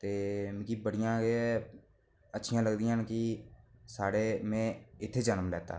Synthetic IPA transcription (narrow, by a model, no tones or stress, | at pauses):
t̪eːmkibəɽɪjãːɡeɛ | ətːʃʰɪjãːləɡd̪ɪjãːnkɪsaːɽeːmɛ̃ːɪt̪ʰːeːd͡ʒənəmlɛːt̪a̰ː